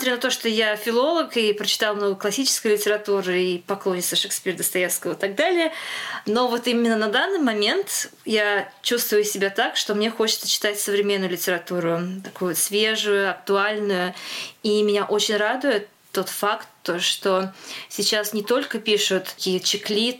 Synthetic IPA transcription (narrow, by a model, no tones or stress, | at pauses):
smt̪ɾʲinɐt̪oʂt̪ojafʲɪlˠo̞lˠəkipɾət͡ɕɪ̥t̪ɑlˠmnovəjklˠɐsʲit͡ɕɪ̥skəjlʲɪtʲɪɾɐt̪uɾɨipɐklˠo̞nʲɪt̪səʂɨksʲpʲiɾd̪əst̪ɐjefskəvəɪt̪aɡ̚d̪alʲɪjəno̞vo̞t̪imʲɪnːənɐd̪anːɨjmɐmʲe̞nt̪jat͡ɕust̪vʊjʊsʲɪbʲat̪akʂt̪o̞mnʲe̞xo̞t͡ɕɪt̪sət͡ɕɪ̥t̪atʲsəvɾʲɪmʲenːʊjʊlʲɪtʲɪɾɐt̪uɾʊt̪ɐkujʊsvʲe̞ʐʊjʊɐk̚t̪ʊalʲnʊjʊimʲɪnʲaʔo̞t͡ɕɪnʲrad̪ʊjɪt̪ːo̞t̪fakt̪ːoʂt̪o̞sʲɪt͡ɕasnʲɪt̪o̞lʲkəpʲiʂʊt̪kʲijət͡ɕɪklʲit̪